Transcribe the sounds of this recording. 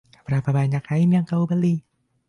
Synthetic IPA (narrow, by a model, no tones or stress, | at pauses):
apɾapabaɲakʰaimiaŋkaubali